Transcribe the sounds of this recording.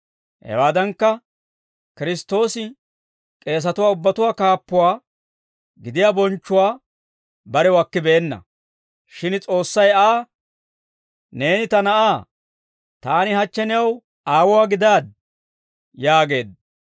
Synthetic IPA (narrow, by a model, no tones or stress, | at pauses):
hɛ̰waːd̪ɐŋkːɐ | kɪɾɪst̪ːo̞ːsɪ | kʼe̞ːs̬ɐt̪ʊwaːʊbːɐt̪ʊwaːkaːpːʊwaː | ɡɪd̪ɪjaːbɔnt͡ʃːʊwaː | bɐɾɛwɐkːɪbeːnːɐ̰ | ʃɪnt͡sʼo̞ːsːɐjaː | ne̞ːnɪt̪ɐnɐʔaː | t̪aːnɪhɐt͡ʃːɛnɛɐw | aːwʊwaːɡɪd̪aːd̪ | jaːɡe̞ːd̪